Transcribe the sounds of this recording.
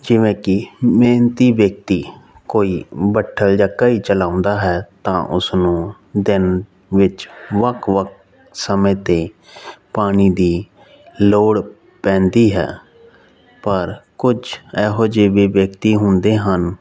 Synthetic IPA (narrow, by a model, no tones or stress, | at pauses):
d͡ʒɪʋẽːkɪmeːnt̪iːʋjək̚t̪iː | koːiːbəʈʰːəld͡ʒakaːiːt͡ʃəlãːʊ̃nd̪aːɦɛːt̪ã̰ːʔʊ̰snũː | d̪ɪn | ʋɪt͡ʃʋəkʰʋək̚ | səmẽːt̪eː | paːɽiːd̪iː | loːɽ | pɛ̃ːnd̪iːɦɛ̰ː | pəɾkʊd͡ʒɛːɦoːd͡ʒeːʋeːʋjəkt̪iːɦʊnd̪eːɦən